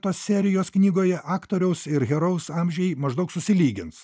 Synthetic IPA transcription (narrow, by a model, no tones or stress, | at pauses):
t̪oːssʲæɾʲɪjoːsknʲiːɡoːjɛʔɑːkt̪oːɾʲɛʊsɪɾɣʲɛɾɐʊsɑːmʲʒʲɛɪmɐʒd̪ɐʊksʊsʲɪlʲiːɡʲɪns